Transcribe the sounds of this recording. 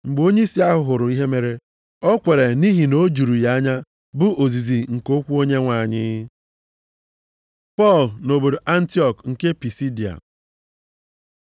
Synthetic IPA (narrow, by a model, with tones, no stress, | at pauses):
ŋ͡m̩˨ɡ͡bo˦ɲe˦i˦si˦a˦ɦʊ˨ɦʊ˨ɾʊ˨i˦ɦe˦me˨ɾe˦ | ɔ˦kʷe˨ɾe˨ni˦ɦi˨no˦d͡ʒu˨ɾu˨ja˦ɲa˦ | bʊ˦o˨zi˨zi˨ŋ̩˨ko˦kʷu˦o˦ɲe˦ŋʷa˨ɲɪ˦ | pɔ˦˨lno˨bo˨do˨ʔa˦n̩˦ti˦ɔ˨kŋ̩˨ke˦pi˨si˦di˨a̰˨